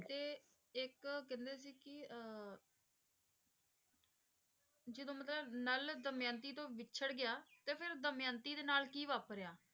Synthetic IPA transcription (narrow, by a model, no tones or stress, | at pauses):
t̪eː | ɪkkɛ̃ːnd̪eːs̬iːkɪ | d͡ʒəd̪õːmət̪ləbnəld̪əmjãːnt̪iːt̪õːʋɪtːt͡ʃʰəɽɡɪjaːt̪eːpʰɪɾd̪əmjãːnt̪iːd̪eːnaːlkiːʋaːpɾeaː